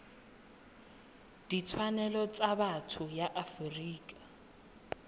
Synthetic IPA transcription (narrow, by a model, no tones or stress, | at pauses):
d̥it͡sʰwanɛlɔt͡sʼaβatʰʊjaʔafriːkʼa